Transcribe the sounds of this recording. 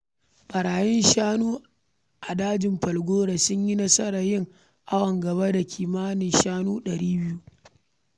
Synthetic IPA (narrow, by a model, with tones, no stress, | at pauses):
ɓɐ˨ɾaː˨jɛ˦nʃaː˦nuː˦ | ʔa˨daː˦d͡ʒɪ˨mɸɐ˨lɡʷoː˦ɽa˨sʊ˦ɲji˦nɐ˦sɐ˦ɾa˨jɪ˦ŋ | ʔa˦wɐ˨ŋɡɐ˨βa˦da˨kʲʰiː˨maː˦nɪ˨nʃaː˦nuː˦ɗɐ˨ɾiː˦bɪ˦ju˦